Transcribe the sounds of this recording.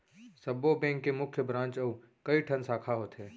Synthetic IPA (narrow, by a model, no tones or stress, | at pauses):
sɐbobɛ̃ːŋkːemʊkʰjəbɾãːnt͡ʃɐu | kɐiʈʰɐnsaːkʰaɦoːt̪ɦɛː